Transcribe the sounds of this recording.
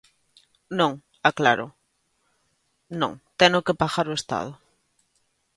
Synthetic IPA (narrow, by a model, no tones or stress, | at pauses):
nõŋ | akla̰ɾo̰ | nõ̰ŋt̪eŋokepaxaɾoest̪a̰ð̞ʊ